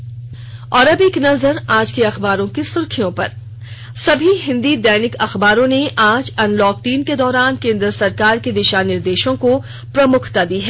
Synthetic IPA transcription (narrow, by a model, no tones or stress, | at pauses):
ɔːɾɐbeːknɐzəɾaːd͡ʒkeɐxbaːɾõkisʊɾkʰijõpɐ̰ɾ | sɐbʱiɦɪ̃nd̪id̪ɛːnɪkɐxbaːɾõneʔaːd͡ʒɐnlɔːkt̪iːnked̪ɔːɾaːnkẽːnd̪ɾəsɐɾkaːɾked̪ɪʃaːnɪɾd̪eːʃõko | pɾɐmʊkʰt̪ad̪iːɦɛː